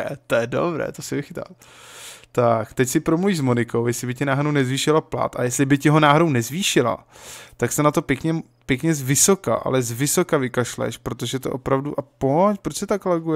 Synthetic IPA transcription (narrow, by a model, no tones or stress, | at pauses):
ɛt̪ojɛdo̰bɾɛ̰ːt̪osɛvɪxɪt̪a̰l | t̪akt̪ɛcsɪpɾomluviːʒzmo̞nɪko̞wjɛslɪbɪcɪnaːɦɾownɛzviːʃɪlapla̰t̪a̰jɛslɪbɪcɪɦo̞naːɦɾownɛzviːʃɪla̰t̪aksɛnat̪o̞pjɛkɲɛ | pjɛkɲɛzvɪsoka̰ʔa̰lɛzvɪsokavɪkaʃlɛ̰ʃpɾo̞t̪oʒɛt̪o̰ʔo̞pɾavduʔapoɲpɾot͡ʃsɛt̪aklaɡujɛ